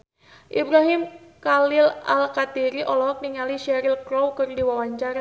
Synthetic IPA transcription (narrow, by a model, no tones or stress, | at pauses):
ʔibɾaɦɪmkalɪlalkat̪iɾiʔɔlɔɦɔk̚niŋaliʃɛɾɪlkɾowkərdiwawaɲt͡ʃaɾa